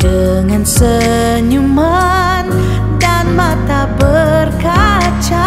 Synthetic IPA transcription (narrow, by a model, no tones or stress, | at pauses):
d̥ə | ŋansə | ɲuma | n | danmat̪abərka | t͡ʃa